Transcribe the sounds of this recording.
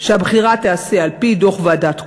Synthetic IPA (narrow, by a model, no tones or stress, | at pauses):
ʃeabχiʁat̪ease̞alpido̞χvadat̪